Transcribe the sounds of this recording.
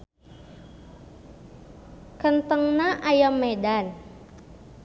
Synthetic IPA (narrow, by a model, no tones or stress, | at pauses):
kənt̪əŋnaʔajamːedan